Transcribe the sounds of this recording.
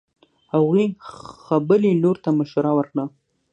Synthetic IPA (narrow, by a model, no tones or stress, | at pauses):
haɣixabəliloɾt̪aməʃaɾawəɾkɽə